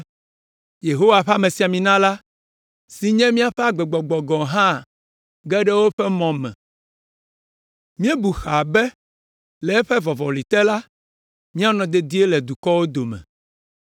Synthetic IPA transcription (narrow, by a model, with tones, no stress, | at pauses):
je˨ɦo˦wa˨ɸa˦me˨si˨a˨mĩ˨nã˦la˦ | si˨ɲɛ̃˦mĩ˦a˨ɸɛ˦a˨ɡ͡bɛ˨ɡ͡bɔ˨ɡ͡bɔ˨ɡɔ̃˨ɦã˦˨ | ɡɛ˦ɖɛ˦wo˦ɸɛ˦mɔ̃˨mɛ̰̃˨ | mĩ˦ɛ˦bu˨xa˨bɛ˦ | lɛ˨ɛ˦ɸɛ˦vɔ˨vɔ˨li˨t̪ɛ˦la˦ | mĩ˦a˦nɔ̃˨d̪ɛ˨d̪i˦e˦lɛ˨d̪u˨kɔ˦wo˦d̪o˨mɛ̰̃˨